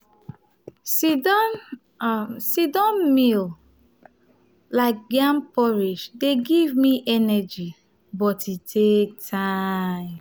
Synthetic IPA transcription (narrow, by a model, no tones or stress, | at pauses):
si | sidɔ̃mmil | laɪk̚ɡãmpɔɹiʃdeɡivmiʔɛnɛd͡ʒi | bɔtitʰek̚tʰãm